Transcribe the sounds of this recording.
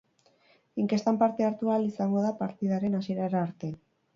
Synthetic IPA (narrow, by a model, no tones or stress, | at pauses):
iŋke̞st̪ampaɾt̪e̞aɾt̪ualisaŋɡo̞ðapaɾt̪iðaɾe̞nasieɾaɾaːɾt̪e